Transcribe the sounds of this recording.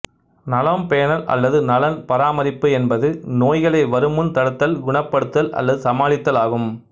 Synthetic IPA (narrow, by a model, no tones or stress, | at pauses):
nɐlɐmpeːnɐlʔɐ̰lːɐðɯnɐlɐnpɐɾaːmɐɾɪpːɯɛnbɐðɯnoːjɣɐɭɐɪʋɐɾɯmɯnt̪ɐɽɯt̪ːɐlɡʊɳɐpːɐɽɯt̪ːɐlɐ̰lːɐðɯsɐmaːlɪt̪ːɐlaːɣɯm